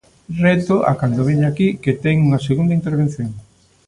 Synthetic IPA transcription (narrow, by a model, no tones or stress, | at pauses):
rɛt̪oʔa̰kand̪oβeɲakiket̪eŋuŋaseɣund̪aint̪eɾβen̟θjoŋ